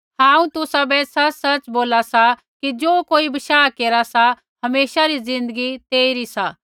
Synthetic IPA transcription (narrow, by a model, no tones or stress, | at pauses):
hãːũt̪ʊsabɛsɐt͡ʃsɐt͡ʃboːlasa | kid͡ʒoːkoːibɐʃaːkeːɾasa | hɐmeːʃaɾizɪ̃nd̪əɡit̪eːiɾisa